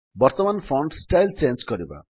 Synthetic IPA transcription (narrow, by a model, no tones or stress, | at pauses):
bʌrt̪ʌmanpʰʌɳɖsʈajlt͡sensɡʌɾiba̰